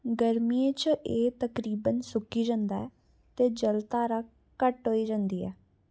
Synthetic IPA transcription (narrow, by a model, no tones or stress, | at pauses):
ɡəɾmiːẽt͡ʃʔeːt̪əkɾiːbənsʊkiːd͡ʒãːnd̪aɛː | t̪eːd͡ʒəlt̪aːɾaː | kəʈɦoːiːd͡ʒãːnd̪iːɛ̰ː